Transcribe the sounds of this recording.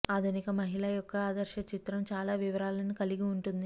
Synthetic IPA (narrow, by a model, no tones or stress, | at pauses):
aːd̪ʱunikɐmɐɦilɐjɔkːɐaːd̪ɐɾʃɐt͡ʃit̪ɾɐmt͡ʃaːlaːʋiʋɐɾaːlɐnikɐliɡiuɳʈund̪i